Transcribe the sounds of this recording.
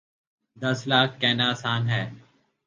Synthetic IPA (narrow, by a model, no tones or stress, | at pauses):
d̪əslaːkʰːɛːnaːsaːnɦɛː